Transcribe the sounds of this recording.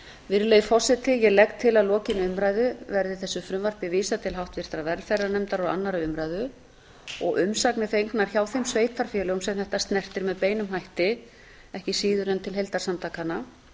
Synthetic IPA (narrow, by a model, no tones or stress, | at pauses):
vɪɾlejfɔ̥sɪt̪ʰɪjɛlɛkt̪ʰːɪlaðlɔːcɪnʏmɾaːjðʏvɛɾðɪθɛsːʏfɾʏmvar̥pɪviːsat̪ʰɪlɦawht̪vɪɾ̥t̪ɾavɛɾfɛrːanɛmt̪aɾɔɣa̰nːaɾaʏmɾaːjðʏ | ɔɣʔʏmsaknɪθejŋknaɾ̥çawθejmsveːjt̪ʰaɾ̥fjɛːlɛumsɛmθɛht̪ast̪nɛr̥t̪ɪɾmɛðpeːjnʏmɦajht̪ɪ | ɛhcɪsiːðʏɾɛnt̪ʰɪlɦejlt̪aɾ̥samt̪ʰaːkana